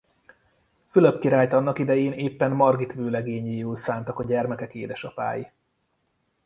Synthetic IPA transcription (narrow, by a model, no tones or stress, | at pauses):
fyløpkiɾaːjt̪ɒnːɒkid̪ɛjeːneːpːɛnmɒrɡit̪ʋøːlɛɡeːɲiːulsaːnt̪ɒkɒɟɛrmɛkɛkeːd̪ɛʃɒpa̰ːji